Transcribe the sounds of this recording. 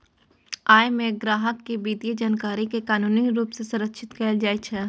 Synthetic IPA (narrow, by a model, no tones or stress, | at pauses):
aːjmẽɡɾaːɦəkːibiːd̪id͡ʒaːnkaːɾikekaːnuːniɾuːpsesɐ̃ɾəkʃʰɪt̪kɛːld͡ʒaːet͡ʃʰɛ